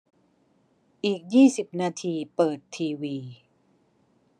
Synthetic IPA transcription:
ʔiː˨˩k̚jiː˥˩si˨˩p̚naː˧t̪ʰiː˧pɤː˨˩t̪ʰːiː˧wiː˧

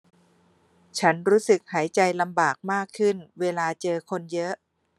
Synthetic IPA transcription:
t͡ɕʰa˦˥nɾuː˦˥sɯ˨˩k̚haː˩˦jt͡ɕa˧jla˧mbaː˨˩k̚maː˥˩kʰːɯ˥˩nweː˧laː˧t͡ɕɤː˧kʰo˧njɤ˦˥ʔ

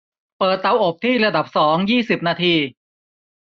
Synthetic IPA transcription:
pɤː˨˩t̪ːa˧wʔo˨˩p̚t̪ʰiː˥˩ɾa˧da˨˩p̚sɔː˩˦ŋjiː˥˩si˨˩p̚naː˧t̪ʰiː˧

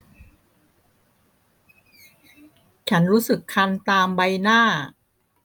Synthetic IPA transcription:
t͡ɕʰa˦˥nɾuː˦˥sɯ˨˩kʰːa˧nt̪aː˧mba˧jnaː˥˩

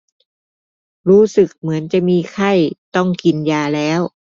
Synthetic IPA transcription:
ɾuː˦˥sɯ˨˩k̚mɯ˩˦ənt͡ɕa˨˩ʔmiː˧kʰa˥˩jt̪ɔ˥˩ŋki˧njaː˧lɛː˦˥w

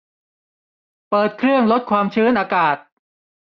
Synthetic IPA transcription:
pɤː˨˩t̪̚kʰɾɯ˥˩əŋlo˦˥t̪̚kʰwaː˧mt͡ɕʰɯː˦˥nʔaː˧kaː˨˩t̪̚

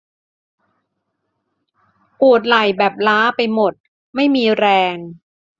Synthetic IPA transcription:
pu˨˩ət̪̬̚la˨˩jbɛː˨˩p̚laː˦˥pa˧jmo˨˩t̪̚ | ma˥˩jmiː˧ɾɛː˧ŋ

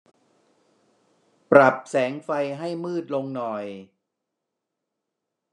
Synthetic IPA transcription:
pɾa˨˩p̚sɛː˩˦ŋfa˧jɦa˥˩jmɯː˥˩t̪̚lo˧ŋnɔ˨˩j

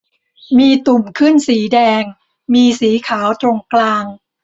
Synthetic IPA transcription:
miː˧t̪u˨˩mkʰɯ˥˩nsiː˩˦dɛː˧ŋ | miː˧siː˩˦kʰaː˩˦wt̪ɾo˧ŋklaː˧ŋ

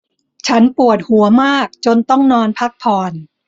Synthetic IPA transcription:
t͡ɕʰa˦˥npu˨˩ət̪̚hu˩˦ɐmaː˥˩k̚t͡ɕo˧nt̪ɔ˥˩ŋnɔː˧npʰa˦˥k̚p̪ʰɔː˧n

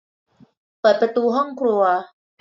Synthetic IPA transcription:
b̥a˨pə˨t̪u˧ɦɔ˥ŋkɾu˧a˧

